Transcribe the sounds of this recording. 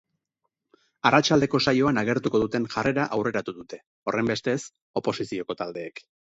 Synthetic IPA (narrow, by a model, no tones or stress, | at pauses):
arʔat͡ʃald̪e̞ko̞sajo̞anaɣ̞e̞ɾt̪uko̞ð̞ut̪e̞nʝare̞ɾaʔawre̞ɾat̪uðut̪e̞ | o̞re̞mbe̞st̪e̞s | o̞po̞sisio̞ko̞t̪ald̪e̞ːk